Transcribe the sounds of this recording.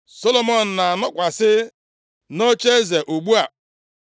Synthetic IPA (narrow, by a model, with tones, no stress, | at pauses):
so˦lo˦mɔ˨n̩˨na˨a˨nʊ˦kʷa˨sɪ˦ | no˦t͡ʃe˦ze˨ʔu˨ɡ͡bu˦a˨